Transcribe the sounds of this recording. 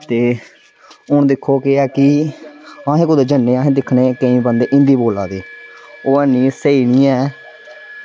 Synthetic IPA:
t̪eː | ʊɳd̪ɪkʰːoːkɪɛːkɪ | ãːɦẽːkʊd̪eːd͡ʒənːeːaːɦẽːd̪ɪkʰneːkəĩːbənd̪eːʔɪ̃nd̪iːboːla̰ːd̪iːoːənĩːseiːɳiːɛː

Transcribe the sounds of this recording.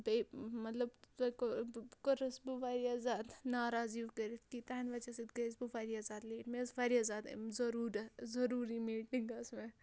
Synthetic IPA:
bɐjmɐt̪lɐbtɐkokəɾɐsbuʋaːɾiazaːd̪naːɾaːziʋkəɾit̪kit̪aːnʋat͡ʃɐsit̪ɡɐɾisbufaːɾiazaːd̪leːʈmesfaːɾiazaːd̪̰zɐɾuːɾɐzɐɾuːɾimiːʈiŋɡɐsme

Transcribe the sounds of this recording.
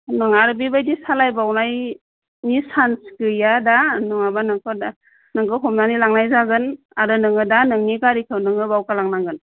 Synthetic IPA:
nɯŋaɾbibajdisalajbawnaj | nisanskɯjadanɯŋabanɯŋkʰɯd | nɯŋkɯɦɔmnanilaŋnajzaɡɯn | aɾɯnɯŋɯdanɯŋnikaɾikʰɯwnɯŋɯbawkalaŋnaŋɡɯn

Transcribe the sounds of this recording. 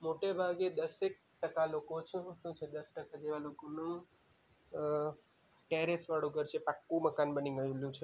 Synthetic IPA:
moʈebʱaɡed̪əsek̚ʈəkalokot͡ʃʰũʃũt͡ʃʰed̪əsʈəkad͡ʒeʋalokonũ | ʈɛɾesʋaɽũkəɾt͡ʃʰepakːũməkanbəniɡəjũljũt͡ʃʰe

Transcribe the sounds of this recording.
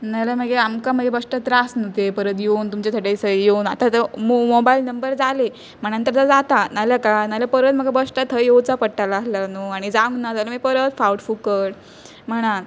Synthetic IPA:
nalaməɡeamkam̤əɡebəʂʈət̪ɾasnət̪epəɾət̪jeunt̪umt͡ɕet̪ʰəʈejsəjeunat̪at̪əmomobailnəmbəɾd͡zale | m̤əɽ̃ant̪əɾt̪əd͡zat̪analjakanalapəɾət̪m̤əɡabəʂʈat̪ʰːəjewt͡sapəɽʈːalaːɦlanuaɽ̃id͡zãŋɡnad͡zaləməɡepəɾət̪fawʈfukəɽ | m̤əɽ̃al

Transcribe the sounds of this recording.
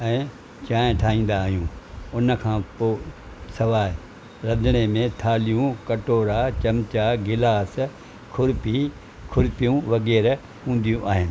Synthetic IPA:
ɛ̃ː | t͡ɕaːɪ̃ʈʰaːɦĩːn̆d̪aːɦijũːʊnəkʰãːpoː | sɐʋaːɪ | ɾɐ̃d̪ɽ̃emẽt̪ʰaːlijũkɐʈoːɾat͡ɕɐmt͡ɕaɡɪlaːs | kʰʊɾpi | kʰʊɾɪpijũʋɐɣɛːɾ | hũːn̆d̪ijũʔaːɦɪnɪ̆

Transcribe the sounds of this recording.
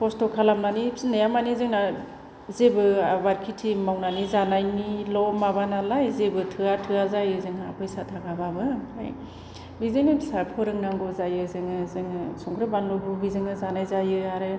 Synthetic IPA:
pʰɔstɔkʰalamnanisnajamanizɯŋna | zebɯwaɾkʰitʰimawnanizanajnilɔmabanalajzebɯtʰɯatʰɯazajɯzɯŋapʰɯjsatʰaɡababɯa̰j | bizɯjnɯbisapʰɔɾɯŋnaŋɡɔzajɯzɯŋɯzɯŋsɔŋɡɾɯbanlɔbɯbizɯŋɯzanajzajɯaɾɯ

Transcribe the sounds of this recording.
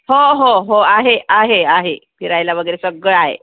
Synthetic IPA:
ɦoɦoɦoaɦeaɦeaɦepʰiɾajljaʋəɡəjɾesəɡəɭaɦḛ

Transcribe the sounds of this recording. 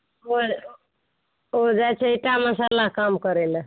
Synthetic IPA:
o | od͡ʒat͡ʃʰeiʈaməsalakamkəɾelə

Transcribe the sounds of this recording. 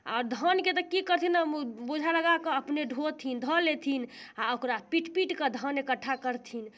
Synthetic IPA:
aːɾd̪ʱənket̪ɔkikəɾt̪ʰinamubod͡ʒʱaləɡakəəpneɖʱot̪ʰind̪ʱəlet̪ʰinaokɾapiʈpiʈkəd̪ʱənekəʈʰːakəɾt̪ʰin

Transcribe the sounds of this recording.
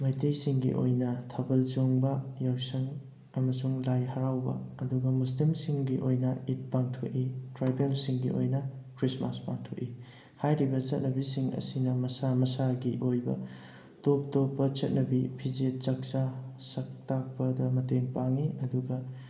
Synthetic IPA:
mɐjtejsiŋɡḭʔo̰jnɐtʰɐbɐlt͡ʃoŋbɐjawsɐŋ | ɐmɐsuŋlajɦɐɾawbɐ̰ɐduɡɐmus̬limsiŋɡiʔojnɐit̚paŋtʰoʔitɾajbelsiŋɡḭʔo̰jnɐkɾismaspa̰ŋtʰoʔi | hajɾibɐt͡ʃɐt̚nɐbisiŋɐ̰sinɐmɐsamɐsaɡiʔojbɐ̰ | top̚topːɐt͡ʃɐt̚nɐbipʰid͡ʒet̚t͡ʃɐk̚t͡ʃasɐk̚tak̚pɐdɐmɐteŋpaŋiɐduɡɐ

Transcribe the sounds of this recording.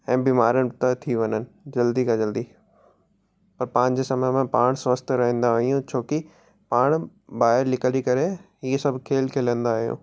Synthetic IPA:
ɛ̃ːbiːmaːɾəɽ̃t̪ɐt̪ʰiʋɐɲənɪ̆d͡ʑɐld̪ikad͡ʑɐld̪i | pɐɾpãːɲ̆d͡ʑeːsɐməmẽpaːɽ̃sʋɐst̪ʰɾɐɦə̃nd̪aʋɐijũt͡ɕʰoːki | paːɽ̃ | baːɦɪɾlɪkəlikɐɾeɦiːsɐbʱkʰeːlkʰeːlə̃nd̪aːɦijṵ̃ː

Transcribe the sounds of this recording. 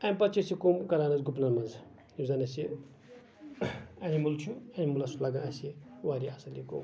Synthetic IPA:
ɐmpɐt͡ʃʰisikomkɐɾaːnɐzɡupnɐnmɐz | nizanɐsi | ɐnimult͡ʃʰuɐnimulasulaɡanɐsiwaɾiasɐlʲiko̰m

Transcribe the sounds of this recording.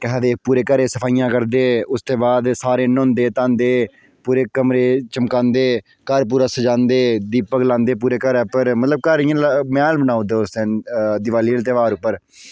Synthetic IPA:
kəɦd̪eːpuːɾeːkəɾeːsəpʰaːijãːkəɾd̪eːʊst̪eːbaːd̪saːɾeːnʊ̃ːnd̪eːt̪ãːnd̪eː | puːɾeːkəmɾeːt͡ʃəmkãːnd̪eː | kəɾp̬uːɾaːsəd͡ʒãːnd̪eːd̪iːpəklãːnd̪eːp̬uːɾeːkəɾɛːpəɾmət̪ləb̚kəɾɪjãːlmɛːlbənaːud̪eːʊst̪ed̪ɪʋaːliːlt̪̬eːʋaːɾʊpːəɾ

